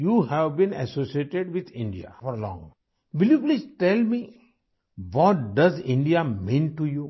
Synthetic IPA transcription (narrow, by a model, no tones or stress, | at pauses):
juːhɛʋbĩnɛ̰soːsieʈeɖʋɪd̪ɪ̃ɳɖia̰fɔɾlɔ̰̃ŋ | ʋɪljuplid͡ʒʈɛlmi | ʋɔʈ̚ɖɐzɪ̃ɳɖiamĩnʈuju